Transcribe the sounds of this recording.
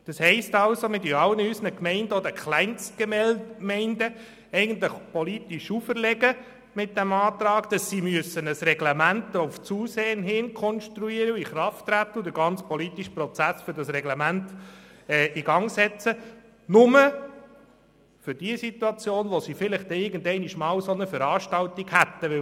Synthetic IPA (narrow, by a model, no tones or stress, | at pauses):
d̥ɑshɛɪstɑlsomɪdiɑlːənysənəkmɛɪndəɔd̪əkχlɛɪnsɡ̥emɛmɛɪndə | ɛɪɡəntləχpɔlitiʃufəɾlɛɡə | mɪt̚d̥æmɑːt̪ɾɑːɡd̥ɑsiːmyəsənəsrɛɡlɛmæntʊft͡suːseːənɦɪnkʰɔnʃtɾuiːəɾəiχɾɑftːɾæt̪ːəud̥əɾɡɑnt͡spɔlitiʃpɾɔt͡sæsfʏɾdɑsɾɛɡlɛmæntɛːʔiɡɑŋsɛt͡sə | nʊmə | fʏɾd̥iəsit̪uɑt͡sjoːnʋɔsifɪlɪχtɛɪɾɡəndɛɪniʃmɑːwsonəfəɾɑːʃtɑltiɡhæt̪ːəʋɪ